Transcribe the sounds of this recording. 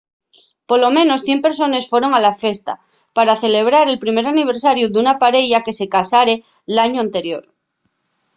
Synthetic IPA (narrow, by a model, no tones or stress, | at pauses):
polo̞mẽno̞sθje̞mpe̞ɾso̞ne̞sfwe̞ɾo̞ŋalafe̞st̪a̰ | paɾaθe̞le̞β̞ɾaɾe̞lpɾime̞ɾaniβ̞e̞ɾsaɾjud̪unapaɾeʎake̞se̞kasaɾe | laɲuant̪e̞ɾjo̞̰ɾ